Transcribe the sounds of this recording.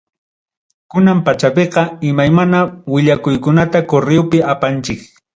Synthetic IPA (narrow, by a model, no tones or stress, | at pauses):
kʊnampat͡ʃapeqɑɪmajmanawɪʎakʊjkʊnat̪akoɾɪwpɪapant͡ʃɪk